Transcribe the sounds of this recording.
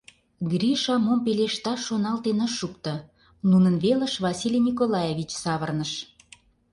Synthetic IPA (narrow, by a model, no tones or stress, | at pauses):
ɡriʃɑmompeleʃt̪ɑːonɑlt̪enəʃuk̚t̪ɤ̆ | nunənβelə̆ʃβɑsilʲinʲikolɑjevʲit͡ɕsɑβərnəʃ